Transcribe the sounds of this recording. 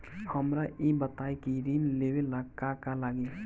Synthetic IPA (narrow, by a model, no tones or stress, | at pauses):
həmɾaʔibət̪aikiɾinleweləkakalaɡe